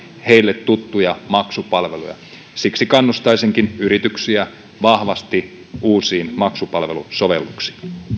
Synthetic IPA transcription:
he̞ilːet̪ːut̪ːujɑmɑksupɑlʋe̞lṵjɑ̰ | siksikɑnːust̪ɑjsiŋkinyɾit̪yksiæ | ʋɑhʋɑst̪i | uːsiːnmɑksupɑlʋe̞luso̞ʋe̞̰lːuksi̥ːn

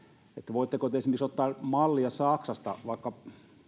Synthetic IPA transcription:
et̪ːæʋoit̪ːekot̪eesmerksot̪ːɑːmɑlːiɑsɑksɑst̪ɑ̰ʋɑˑikːɑ

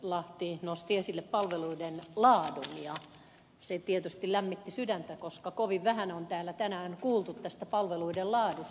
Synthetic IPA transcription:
lɑht̪inost̪iesilːeppɑlʋeluidenlɑːdunjɑ | set̪iet̪yst̪illæmːit̪ːisydænt̪ækoskɑkoʋiʋʋæhænont̪æːlːæt̪ænæːnkuːlt̪ut̪t̪ːæst̪æpɑlʋeluidellɑːdus

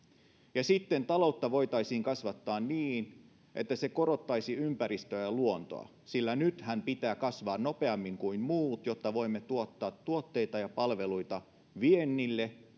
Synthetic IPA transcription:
jɑsit̪ːent̪ɑlo̞ut̪ːɑʋo̞jt̪ɑisiːŋkɑsʋɑt̪ːɑːnniːn | ʔet̪ːæse̞ko̞ɾo̞t̪ːɑjsiympæɾist̪øjɑluont̪o̰ɑ̰ | silːænyt̪hæmpit̪æːkɑsʋɑːnno̞peɑmːiŋkuimmuːt̪jot̪ːɑʋo̞imːet̪uot̪ːɑːt̪ːuot̪ːeit̪ɑjɑpɑlʋe̞luit̪ɑ | ʋienːilːe

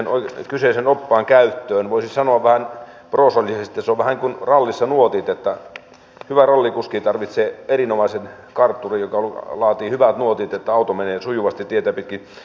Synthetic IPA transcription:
noikyseˑsenopːɑːŋkæyt̪ːøːnʋoisisɑnoɑʋʋæhænproːsɑlʲisest̪iɑseoʋʋæhæniŋkunrɑlːisːɑnuot̪it̪et̪ːæ | hyʋærɑlːikuskiːt̪ɑrʋit̪seːerinomɑisen | kɑrt̪ːurijokɑolɑːt̪iːhyʋæt̪nuot̪it̪et̪ːæɑut̪omeneːsujuʋɑst̪it̪iet̪æpit̪ki

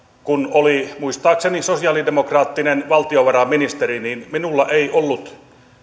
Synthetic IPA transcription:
kunolimuist̪ɑːksenisosiɑlidemokrɑːt̪ːinenʋɑlt̪ioʋɑɾɑmːinist̪eriniːnminulːɑʔeiʔolːut̪

